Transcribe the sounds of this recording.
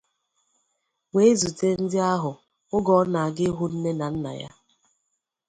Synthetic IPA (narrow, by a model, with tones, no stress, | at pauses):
we˨e˦zu˨te˦n̩˦dɪ˦a˦ɦʊ˨ | ʊ˦ɡɔ˦na˨a˨ɡɪ˦ɦʊ˦n̩˦ne˦na˨n̩˦na̰˨ja̰˦